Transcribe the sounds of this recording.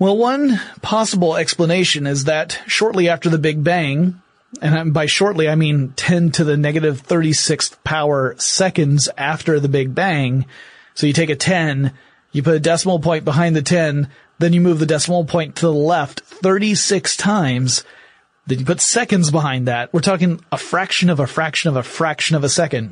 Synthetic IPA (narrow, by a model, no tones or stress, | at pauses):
wɛlˠwʌ̃npʰɑsəbl̩ˠɛkspləneɪʃɨ̃nɪzðɨtʃɔɹʔˡliæftə˞ðɨbɪɡ̚bæ̃ŋ | ɨ̃nabaɪʃɔɹtˡliaɪmĩntʰɛ̃ntʰɨðɨnɛɡɨɾɨv̥θɜ˞ɾisɪkspʰaʊə˞sɛkɨ̃ndzæftə˞ðɨbɪɡ̚bæ̃ŋ | soʊjɨtʰeɪkɨtʰɛ̃n | jɨpʰʊɾɨdɛsml̩ˠpʰɔ̃ɪ̃nb̥əɦãɪ̃nðɨtʰɛ̃n | ðɨ̃njɨmʉvðɨdɛsml̩ˠpʰɔ̃ɪ̃ntʰəðəlɛftθɜ˞ɾisɪkstʰãɪ̃mz̥ | ðɨ̃njɨpʰʊtsɛkɨ̃ndzbəɦãɪ̃nðæt̚wɨɹtʰɔkɪ̃ŋəfɹækʃɨ̃nʌvɨfɹækʃɨ̃nʌvəfɹækʃɨ̃nʌvɨsɛkɨ̃nd̥